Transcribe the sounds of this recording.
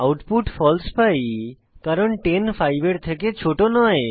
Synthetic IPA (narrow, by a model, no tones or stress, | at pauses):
awʈpuʈfɔlspaj | kaɾonʈenfajbeɾt̪ʰeket͡ɕʰoʈonɔe